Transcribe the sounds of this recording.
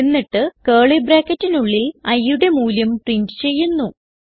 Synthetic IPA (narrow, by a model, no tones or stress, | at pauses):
enːiʈːɨkeːɭibraːkːɐtːinuɭːilɐjːuɽe̞muːljɐmʈriɳdɨ̥t͡ɕe̞jːunːu